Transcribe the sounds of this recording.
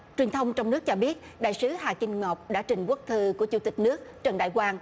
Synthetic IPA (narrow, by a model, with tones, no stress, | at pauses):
t͡ɕwi˨˩ənt̪ʰə˧wŋ͡mt͡ɕɔ˧wŋ͡mnɨ˦˥ək̚t͡ɕɔ˧ɓi˦˥ət̚ɗa̰ː˧˨jsɨ˨˦haː˨˩kï˧ŋ̟ŋɔ˨˩wk͡p̚ɗa̰ː˧˥t͡ɕï˨˩ŋ̟ku˦˥k̚t̪ʰɨ˧ku˧˩ət͡ɕu˧˩t̪i˨˩k̟̚nɨ˦˥ək̚t͡ɕə˨˩nɗa̰ː˧˨jkwaː˧n